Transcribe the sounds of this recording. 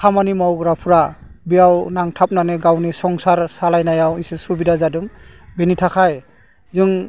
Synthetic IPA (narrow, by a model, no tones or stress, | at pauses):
kʰamanimawɡɾapʰuɾa | bijawnaŋtʰap̚naneɡawnisɔŋsaɾsalajnajawisɯsubidazadɯŋbenitʰakʰaj | zɯŋ